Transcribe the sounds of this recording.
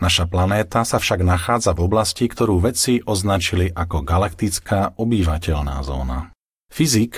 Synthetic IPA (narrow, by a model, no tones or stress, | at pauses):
naʃaplanɛːt̪asafʃaɡnaxaːd͡zavɔblascikt̪ɔɾuːʋɛt͡siʔɔznat͡ʃiliʔakɔɡalakt̪it͡skaːʔɔbiʋacɛʎna̰ːzɔ̰ːna̰ | fizik